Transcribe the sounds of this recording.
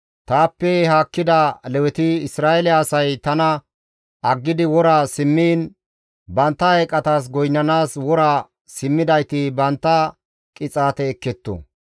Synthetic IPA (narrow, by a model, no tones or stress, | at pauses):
t̪aːpːɛhaːkːɪd̪ɐlɛwɛt̪iɪsɾaːʔɛlɪaːsɐjt̪ɐnɐ | ʔɐɡːɪd̪ɪwɔɾaːsɪmːiːn | bɐnt̪ːɐhɐjkʼːɐt̪aːs̬ɡɔjnːɐnaːswɔɾaː | sɪmːɪd̪ɐjt̪ɪbɐnt̪ːɐ | kʼɪt͡sʼaːt̪ɛːkːɛt̪ːɔ̰